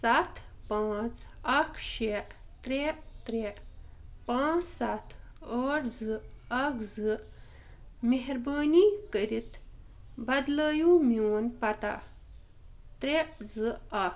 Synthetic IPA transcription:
sat̪ | pãːt͡sɐkʰɕʃeʔ | t̪ɾet̪ɾeʔpãːt͡ssat̪ʰəɽd͡zɨɐkd͡zɨ | meɦɾbəːnikəɾit̪ | bɐd̪ləːjũmunpɐt̪a̰ | t̪ɾed͡zɨɐk

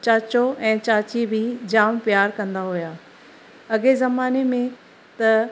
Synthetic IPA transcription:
t͡ɕaːt͡ɕoʔɛ̃ːt͡ɕaːt͡ɕibʱɪd͡ʑaːmpjaːɾkɐ̃nd̪aɦujaː | ɐɠezɐmaːnemẽ | t̪ɐ

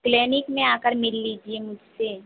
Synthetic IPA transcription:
klɛːnɪkmẽaːkəɾmɪlːiːd͡ʒiemʊd͡ʒʱse

